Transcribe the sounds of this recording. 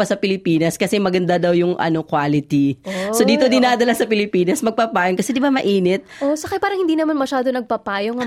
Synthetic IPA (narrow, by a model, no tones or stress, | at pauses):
ɐsɐpɪlɪpiːnɐskɐsɛmɐɡɐnd̪ad̪ɐwjʊŋʔɐ̰no̞kwaːlɪt̪isod̪iːt̪o̞d̪ɪnaːd̪ɐlasɐpɪlɪpiːnɐsmɐɡ̚paːpaːjoŋkɐsɛd̪ɪbamɐʔiːnɛt̪̚ʔosɐkajpaːɾɐŋhɪnd̪iːnɐmanmɐʃaːd̪onɐɡ̚papaːjoŋ